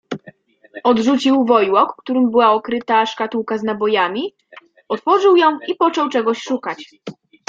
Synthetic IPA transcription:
ɔd̪ʐut͡ɕiwvɔjwɔkːt̪uɾɘmbɘwaɔkɾɘt̪aʂkat̪uwkaznabɔjamʲi | ɔt̪fɔʐɘwjɔ̃w̃ipɔt͡ʂɔwt͡ʂɛɡɔɕʂukat͡ɕ

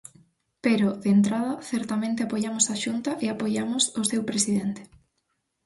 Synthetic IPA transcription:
peɾoðeːnt̪ɾað̞ɐθɛɾt̪amẽnt̪eapojamʊsaʃunt̪aʔeapoʝamʊsosewpɾesið̞ent̪ɪ̥

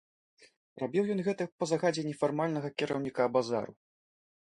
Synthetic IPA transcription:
rabʲiwjɔnɣɛt̪ɐpɐzaɣad͡zʲɛnʲɛfarmalʲnɐɣɐkʲiɾʔɐwnʲikabaza̰ɾṵ

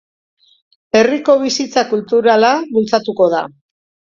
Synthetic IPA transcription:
e̞riko̞β̞isit͡sakult̪uɾalaβult͡sat̪uko̞ð̞a

